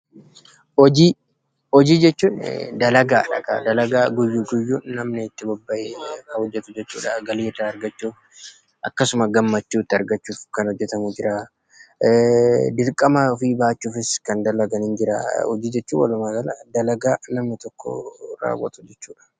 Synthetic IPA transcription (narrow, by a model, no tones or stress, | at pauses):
ɔd͡ʒiː | ɔd͡ʒiːd͡ʒɛt͡ʃːuːnd̪ɐlɐɡaːᶑɐ̰kɐ̰d̪ɐlɐɡaːɡʊjːuːɡʊjːuːnnɐmnɛɪt̪ːɪbɔbːɐekɐhɔd͡ʒːɛt̪ʊd͡ʒɛt͡ʃːṵːᶑɐɡɐleːt̪ɐɐɾɡɐt͡ʃːuːf | ʔɐkːɐsʊmɐɡɐmːɐt͡ʃːuːt̪ːɪɐɾɡɐt͡ʃːuːfkɐnhɔd͡ʒːɛt̪ɐmud͡ʒɪɾaː | d̪ɪɾkʼːɐmafiːbaːt͡ʃːuːfɪskɐnd̪ɐlɐɡɐnɪnd͡ʒɪɾa̰ːɔ̰d͡ʒiːd͡ʒɛt͡ʃːuːwɐ̰lʊmaːɡɐlɐd̪ɐlɐɡaːnɐmnɪt̪ɔkʰːɔ̰ɾa̰ːwɐ̰t̪ʼʊ̥d͡ʒɛt͡ʃːuːᶑɐ̥